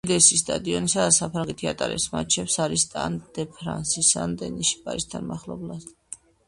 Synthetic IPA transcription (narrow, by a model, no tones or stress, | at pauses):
d̪ɛsist̪ʼad̪iɔnisad̪asapʰɾaŋɡɛt̪ʰiat̪ʼaɾɛ̰sma̰t͡ʃʰɛpsaɾist̪ʼa̰nd̪̥ɛpʰɾansisand̪ɛniʃi̥pʼaist̪ʰanmaχlˠɔblˠas